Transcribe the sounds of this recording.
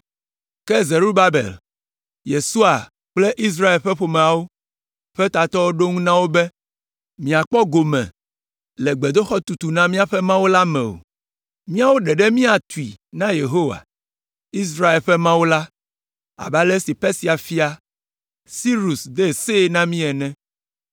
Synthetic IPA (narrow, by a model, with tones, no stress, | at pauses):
kɛ˦ze˨ɾu˦ba˦bḛ˨l | je˨su˦a˨ | k͡ple˦ʔi˦s̬ɾa˦e˨lɸɛ˦ɸo˨mɛ̃˨a˨wo˦ | ɸɛ˦t̪a˨t̪ɔ˦wo˦ɖo˦ŋũ˦nã˦wo˦bɛ˦ | mĩ˨a˨k͡pɔ˦ɡo˨mɛ̰̃˨ | lɛ˨ɡ͡be˨d̪o˦xɔ˦t̪u˨t̪u˨nã˦mĩ˦a˦ɸɛ˦mã˦wo˦la˦mɛ̰̃˨o̰˨ | mĩ˦a˦wo˦ɖɛ˨ɖɛ˦mĩ˦a˨t̪u˨ḭ˨nã˦je˨ɦo˦wa̰˨ | i˦s̬ɾa˦e˨lɸɛ˦mã˦wo˦la˦ | a̰˨ba˦le˦si˨pɛ˦si˨a˨fi˦a˨ | si˦ɾu˨sd̪e˦˨se˦nã˦mĩ˦ɛ˨nɛ̃˦